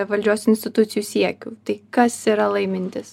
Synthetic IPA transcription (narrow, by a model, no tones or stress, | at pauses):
ʋɐlʲd͡ʒʲuːsʲʊɪnʲsʲt̪ʲɪt̪ʊt̪sʲɪjuːsʲiɛkʲuːt̪ɐɪkɐsiːɾɐlˠɐɪmʲɪnʲt̪ʲɪs